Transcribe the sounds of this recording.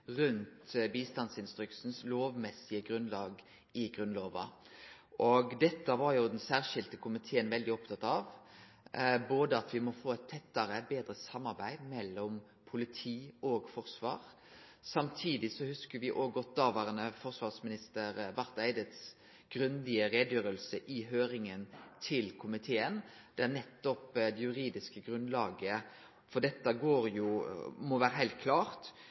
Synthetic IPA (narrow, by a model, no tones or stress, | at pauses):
ʁʉnt̪biːst̪ɑnsɪnst̪ɾʏksn̩sloːʋmɛsːɪəɡʁʉnlɑːɡ | ɪɡʁʉnloːʋɑ̰ | ʔɔɡd̪ɛt̪ːəʋɑɾjʊd̪ɛnsæːʁʂɪlt̪əkʰʊmɪt̪ʰeːənʋɛld̪ɪɔp̚t̪ʰɑt̪ɑʋ | boːd̪əɑt̪ʰʋɪmɔfoːɛt̪ʰːɛt̪ːəɾəbeːd̪ɾəsɑmːɑɾbæɪmɛlːɔm | pʰʊlɪt̪ʰiːɔːɡfɔʁsʋɑ̰ːʁ | sɑmt̪ʰiːd̪ɪsɔhʉskəɾʋɪʔoːɡɔt̪ɑːʋɑʁənəfɔʁsʋɑːʁsmɪnɪst̪əɾbɑɾt̪æɪd̪ɪt̪s | ɡ̥ɾʉnd̪ɪəɾeːd̪jøːɾəlsəʔɪɦøːɾɪŋənt̪ʰɪlkʰʊmɪt̪ʰeːən | d̪̥ɛæɾnɛt̪ːɔpd̪ɛjʉɾiːd̪ɪskəɡɾʉnlɑːɡə | fɔɖ̪ɛt̪ːəɡoːɾjʊmɔʋæːɾəɦæɪlt̪̚kʰlɑːʁt̪